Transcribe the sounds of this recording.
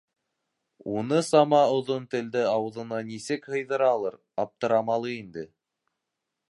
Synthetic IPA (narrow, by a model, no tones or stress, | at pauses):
unɤsɑmɑŏðont̪ɘ̆ld̪ɘɑwɤ̆ðɤ̆nɑnisɘkhɤ̆jðɤɾɑlˠɤɾ | ɑp̚t̪ɤ̆ɾɑmɑlˠɤind̪ɘ